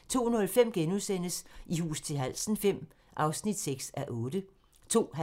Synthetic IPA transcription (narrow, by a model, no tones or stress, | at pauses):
t͡sʰo̝̰ːnɔ̽lfem̰ɡ̥enusen̰əsihṵːst͡sʰe̝lɦæl̰sn̩fem̰ | ʔɑ̈ʊsnid̥seɡ̥sæʔɔ̽ːd̥ə | t͡sʰo̝̰ːɦ